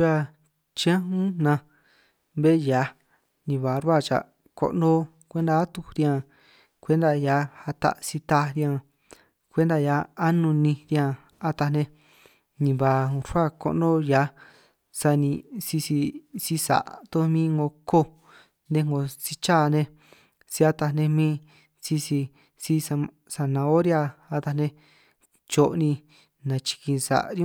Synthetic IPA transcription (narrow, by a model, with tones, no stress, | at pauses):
a˧ | t͡ʃã˦ɦũ˦nã˧ | βe˦ja˨˧ | nĩ˧βa˨ɾwa˦˧˨t͡ʃa̰˨ | ko̰˧ʔnõ˦ | kʷe˦nd̪a˧a˦t̪u˧ɾjã˧ | kʷe˦nd̪a˧ja˧˦ha˧t̪a̰˧ʔsi˧t̪a˧ɾjã˧ | kʷe˦nd̪a˧ja˨˧a˦nũ˧nĩ˧ɾjã˧˨ | a˧t̪a˧nẽ˧ | nĩ˧βa˧ɾʷa˦ko̰˧ʔnõ˦ja˧ | sa˧nĩ˧si˧si˧si˦sa̰˨ʔt̪o˦mĩ˦ŋɡo˧ko˦ | ndẽ˧ŋɡo˧si˧t͡ʃa˦˨˧nẽ˧ | si˧a˧t̪a˧nẽ˧mĩː˦ | si˧si˧ | si˧sa˧ | sa˧nã˧o˦ɾja˧a˧t̪a˧nẽ˧ | t͡ʃo˧ʔnĩ˧ | nã˧t͡ʃi̥˧kĩ˧sa̰˨ʔɾj̃